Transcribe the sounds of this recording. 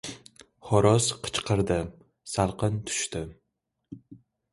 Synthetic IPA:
χɒɾɒsqʰɨ̥t͡ʃqʰɨɾd̪ɪ | salˠqɨnt̪ʰʊ̥ʃt̪ɪ

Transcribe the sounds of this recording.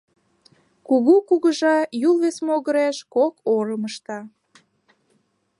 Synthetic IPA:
kuɣukuɣəʒɑjulβesmoɣəɾæʃkokoɾəməʃt̪ɑ

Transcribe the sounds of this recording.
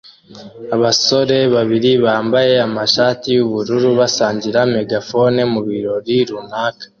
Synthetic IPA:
aβaso̞ɾe̞βaβiɾiβaːmbaje̞amaʃaːtijuβuɾuɾuβasaːɲɟiɾame̞ɡafo̞ne̞muβiɾo̞ɾiɾunaːkḁ

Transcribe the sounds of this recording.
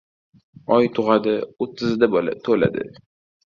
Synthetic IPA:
ɒjt̪ʰʊʁɑd̪ɪot̪ʰːɪzɪd̪abɒla̰t̪ʰola̰d̪ɪ̰

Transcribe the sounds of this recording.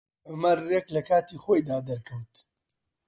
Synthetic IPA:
ɐmɐreklɐkʰaːt̪iːxoːjd̪aːd̪ɐɾkʰɐwt̪

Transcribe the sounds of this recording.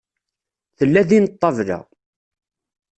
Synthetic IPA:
θəlːæðinət̪ˤːɑvlæ̰

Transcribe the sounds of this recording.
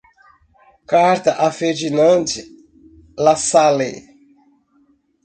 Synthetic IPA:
kaɾt̪ɐʔafeɾd͡ʒinɐ̃nd͡ʒi | lasalḛ

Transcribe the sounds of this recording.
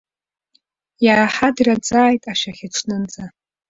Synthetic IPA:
jaɾaħadirad͡zʼaːjtʼaʃᶣaχʲɪʈ͡ʂʷʰnɨnd͡za

